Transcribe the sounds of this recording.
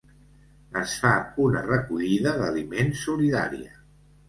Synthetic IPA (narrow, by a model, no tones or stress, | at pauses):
əsfaunə̰rəkuʎiðəðəlimensuliða̰ɾiə